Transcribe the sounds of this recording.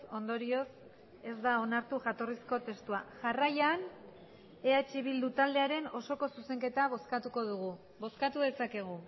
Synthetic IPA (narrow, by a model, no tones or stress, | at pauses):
o̞nd̪oɾio̞s | e̞zd̪ao̞naɾt̪uʝat̪o̞risko̞t̪e̞st̪uaʝarajan | e̞at͡ʃiβild̪ut̪ald̪e̞aɾe̞no̞so̞ko̞suse̞ŋke̞t̪aβo̞skat̪uko̞ð̞uɣ̞u | βo̞skat̪uðe̞sake̞ɣ̞u